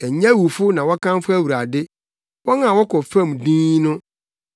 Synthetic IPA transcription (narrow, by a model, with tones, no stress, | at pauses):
ɛ˨ɲɛ̃˦wu˨fʊ˦nã˨wɔ˦kʰã˦n˦fʊ˦æ˦wu˨ɾa˨dɪ˦ | wɔ˦ŋã˨wɔ˦kʰɔ˨fã˦m˨dĩː˦nʊ̃˦